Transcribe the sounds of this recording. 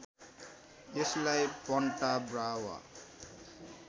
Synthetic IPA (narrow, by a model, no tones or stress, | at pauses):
eslajpʌɳʈabrawa̰